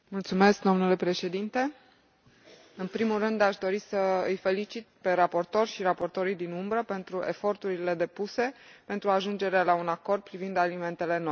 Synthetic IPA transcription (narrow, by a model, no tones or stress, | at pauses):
mult̪sume̞sk̚d̪o̞mnule̞pɾe̞ʃe̞d̪int̪e̞ | ɨnpɾimulrɨnd̪aʃd̪o̞ɾisəɨ̰jfe̞lit͡ʃit̪̚pe̞ɾapo̞rt̪o̞rʃiɾapo̞rt̪o̞ɾijd̪inumbɾəpe̞nt̪ɾue̞fo̞rt̪uɾile̞d̪e̞puse̞pe̞nt̪ɾuaʒund͡ʒe̞ɾealaunako̞rd̪̚pɾivind̪alime̞nt̪e̞le̞no̞j